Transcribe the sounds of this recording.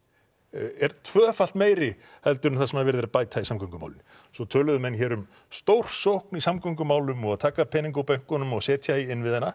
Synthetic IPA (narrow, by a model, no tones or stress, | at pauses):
ɛɾt̪ʰvœːfal̥t̪meːjɾɪ | hɛlt̪ʏɾnʏmθaðsɛmaðvɛɾɪðɛɾapaːjt̪ʰaisamkʰœŋkʏma̰wlɪn | sɔt̪ʰœːlʏðʏmɛnçɛːɾʏm | st̪owr̥sowhknisamkœŋkʏmaːwlʏmɔɣaðt̪ʰaːkapʰɛːniŋk̬awpɛŋ̥kɔnʏmɔɣsɛːt̪ʰjajɪnːvɪðhɛnːa